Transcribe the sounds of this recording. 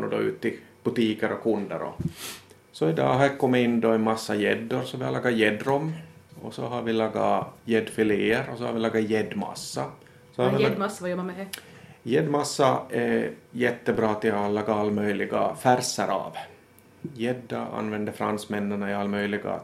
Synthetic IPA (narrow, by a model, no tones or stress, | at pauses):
nɔd̪ɔʉ̰ːt̪ːɪ | b̥ɵt̪iːkəɾɔkʰɵnd̪ə̰ɾɔ̰ | sɔɪd̪ɑ̰ːɦækʰɔmːəɪnːd̪ɔɛnmɑsːɑjɛd̪ːʊɾsɔʋɪhalɑːɡːɑjɛd̪ɾɔmː | ɔsɔɦɑɾvɪlɑːɡːajɛd̪fɪleːəɾɔsɔha̰ɾvɪlɑːɡːajɛd̪ːmɑ̰sːɑ | sɔhaɾʋɪj | jɛd̪masːɑɛjɛt̪ːəbɾɑːt̪ɪlɑːɡaalːmœjlɪɡa̰fæɾsɑɾʔɑ̰ːv | jɛd̪ːaɑ̰nːvɛnd̪əfɾansmɛnːəɳɑɪɑlːmœjlɪɡa̰